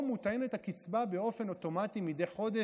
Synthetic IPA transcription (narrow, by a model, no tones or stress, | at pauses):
mut̪ajenet̪hakit͡sbabe̞o̞fe̞no̞t̪o̞matimid̪ejχo̞d̪e